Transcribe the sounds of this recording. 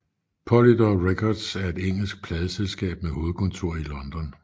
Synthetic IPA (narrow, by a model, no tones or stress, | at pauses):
pʰɒlid̥ɒʁekʰɒd̥sæɐe̝d̥eŋ̰l̩sɡ̥̚pʰlɛːðˠəselsɡ̥ɛ̰ːb̥̚meho̝ːð̞̩ˠkʰɔ̽nt͡sʰo̝ɐ̰ilɒ̽nd̥ɒ̽n